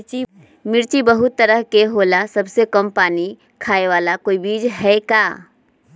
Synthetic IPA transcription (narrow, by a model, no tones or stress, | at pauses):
t͡ʃi | mɪɾt͡ʃibəɦʊt̪ːəɾəɦkeɦoːlasəbsekəmpaːni | kʰaːeʋaːlakoːibiːd͡ʒɦɛkaː